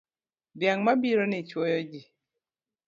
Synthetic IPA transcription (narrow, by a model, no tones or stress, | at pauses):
bjaŋmabiɾɔnɪt͡ʃwɔjɔd͡ʒi